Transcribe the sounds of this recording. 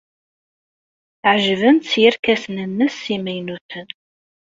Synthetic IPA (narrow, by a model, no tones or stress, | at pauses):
ʕʒvənt̪t͡sːjəɾkæsnənːəsːimæjnuθən